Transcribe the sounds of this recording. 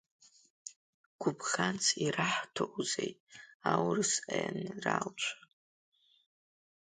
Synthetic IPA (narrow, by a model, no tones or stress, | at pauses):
ɡ̥ʷʊbχant͡sʰiraħtʰoʔzejtʼawrɨsajanralt͡ʃʷʰa